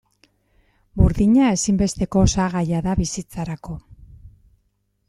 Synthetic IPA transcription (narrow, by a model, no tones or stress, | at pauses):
buɾðiɲae̞simbe̞st̪e̞ko̞saɣajaðaβisit͡saɾako̞